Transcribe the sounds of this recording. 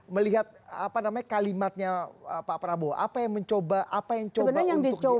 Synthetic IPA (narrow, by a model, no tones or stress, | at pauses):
məliɦat̪̚apanamaɲakalimat̪̚ɲaəpapɾaboa̰pajaŋməɲt͡ʃobaʔapajaŋt͡ʃt͡ʃobəbnajaŋdiʊkt͡ʃo